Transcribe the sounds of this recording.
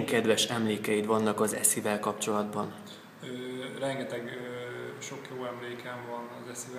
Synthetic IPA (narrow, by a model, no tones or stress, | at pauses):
ŋkɛd̪ʋɛʃɛmleːkɛjit̪ʋɒnːɒkɒzɛ̰sivɛlkɒpt͡ʃo̞lɒd̪bɒn | øːrɛŋɡɛt̪ɛɡøːʃo̞kjoːɛmleːkɛɱvɒnɒzɛsiv